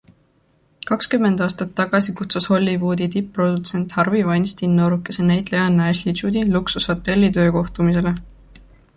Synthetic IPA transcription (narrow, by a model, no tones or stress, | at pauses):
kɑkskymːe̞nd̪̥ɑːst̪ɑt̪ːɑɡ̥ɑsikut̪susho̞lʲːivuːd̪it̪ipːro̞d̪̥ut̪se̞nt̪hɑrvivɑjnst̪inːoɾuke̞senæjt̪lejɑnːæeslit͡ʃud̪iluksusho̞t̪ːˑe̞lʲːit̪ø̞ːko̞ht̪umis̬e̞le̞